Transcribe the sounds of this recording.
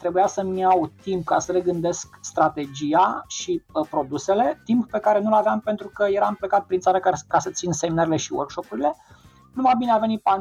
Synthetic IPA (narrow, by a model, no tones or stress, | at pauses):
t̪ɾe̞bujasəmjawt̪impkasəɾeɡɨnd̪e̞skst̪ɾat̪e̞d͡ʒijaʃiəpɾo̞d̪use̞le̞t̪imppe̞kaɾe̞nulaveampe̞nt̪ɾukəje̞ɾamplekat̪̚pɾint̪saɾəkakasət̪sinseminəɾele̞ʃiwo̰rkʃo̞puɾile̞ | numabineave̞nit̪̚pan